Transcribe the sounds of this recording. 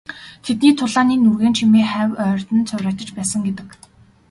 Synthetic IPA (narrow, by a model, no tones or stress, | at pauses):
t̪ʰet̪niːt̪ʰʊɮaːniːnurɣeːnt͡ɕʰimeːχæwœːr̥ʲt̪ɘ̆nt͡sʰʊwʲɾʲæːt̪ə̆t͡ɕpæːsə̆ŋɡet̪ɘ̆k